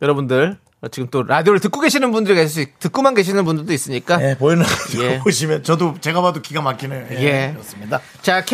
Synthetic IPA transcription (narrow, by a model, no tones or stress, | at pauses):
jʌɾʌbundɯɾ | ʌt͡ɕiɡɯmt͈oɾadioɾɯɭtɯk͈oɡe̞ɕʰinɯnbundɯɾikaɕʰiɭs͈itɯk͈umanɡe̞ɕ̬ʰinɯnbundɯɭdois͈ɯɲik͈ajepoinajeboɕ̬ʰimjʌnt͡ɕʌdot͡ɕeɡabadokiɡamak͈inɯjoeje̞ʌs͈ɯmɲida | t͡ɕakʰ